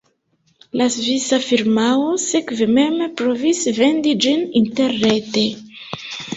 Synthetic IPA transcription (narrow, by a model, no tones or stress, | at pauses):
lazvisafiɾmaosekveme̞mpɾovisve̞ndid͡ʒininteɾːete